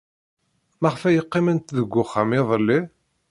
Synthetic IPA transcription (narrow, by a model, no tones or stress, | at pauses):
mæʁfæjəqːɪmənt̪ðəɡʷːʊχːamiðˤəlːi